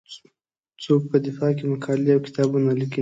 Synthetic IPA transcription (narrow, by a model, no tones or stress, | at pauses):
t͡sok̚pəd̪ɪfɑkemakʰɑlleawkɪ̥t̪ɑbunaliki